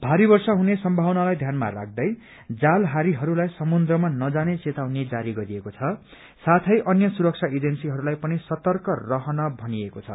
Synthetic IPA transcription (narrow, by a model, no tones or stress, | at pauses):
b̥ʱaɾibʌrsʌɦunesʌmbʱawnalajd̪ʱjanma̰ra̰ɡ̚d̪ʌj | d͡zalɦaɾiɦʌɾulajsʌmund̪rʌmanʌd͡zanet͡set̪awned͡zaɾiɡʌɾiekot͡sʰʌ | sat̪ʰʌjʔʌnjʌsuɾʌk̚t͡sʰaed͡zensiɦʌɾulajpʌnisʌt̪ʌrkʌrʌɦʌnʌbʱʌniekot͡sʰʌ̰